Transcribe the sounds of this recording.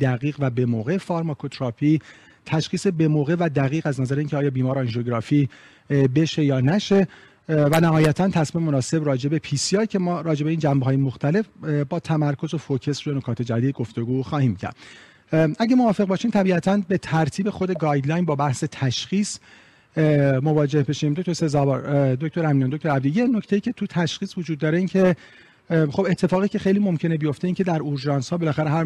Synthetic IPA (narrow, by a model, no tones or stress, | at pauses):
d̪̥æɣiːɣvæbe̞moːɣe̞fɒːɾmɒkʰot̪ʰɾɒpʰi | t̪ʰæʃχiːsebe̞moːɣe̞væd̪æɣiːɣæznæzæɾeincʰeɒːjɒːbiːmɒːɾeɑnʒoɡɾɒːfiː | be̞ʃe̞jɒːnæʃe̞ | vænæɦɒːjæt̪ʰænt̪ʰæsmiːmemonɒːse̞brɒːd͡ʒe̞be̞pʰiːsiɑːjcʰe̞mɒːɾɒːd͡ʒe̞be̞iːnd͡ʒæmbeɦɒːjemoxt̪ʰæle̞fbɒːt̪ʰæmæɾkʰo̞zo̞focʰe̞sɾono̞kʰɒːt̪ʰe̞d͡ʒæd̪iːd̪̚ɡo̞ft̪o̞ɡuːxɒːhiːmcʰæ̰ɾd̪̥ | æɟemovɒːfe̞ɣbɒːʃiːmt̪ʰæbiːʔæt̪ʰænbe̞t̪ʰæɾt̪ʰiːbe̞xod̪e̞ɡɒːjd̪lɒjnbɒːbæhse̞t̪ʰæʃχiːs | movɒːd͡ʒe̞hbeʃimd̪oct̪oɾse̞zɒːbɒ̰ɾd̪oc̚t̪o̞ɾæminjɑnd̪oct̪o̞ɾæb̚d̪iːje̞no̞cʰt̪e̞jiːcʰe̞t̪ʰut̪ʰæʃχiːsvod͡ʒuːd̪̚ːɒːɾe̞iːncʰe̞ | χxo̞be̞t̪ʰːe̞fɒːɣiːcʰe̞xe̞jliːmo̞mcʰe̞ne̞bijo̞ft̪eiŋcʰe̞d̪æɾoɾʒɑːnshɒːbe̞læxæɾeɦæɾ